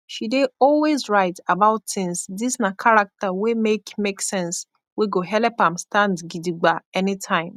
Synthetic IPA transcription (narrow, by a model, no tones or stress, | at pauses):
ʃideɔlwezɹaɪtabaʊtθɪ̃ŋsdisnakʰaɹak̚təwemekmeksɛ̃ns | weɡoɦɛlɛpãmstãndɡidiɡ͡baɛnitʰãɪ̃m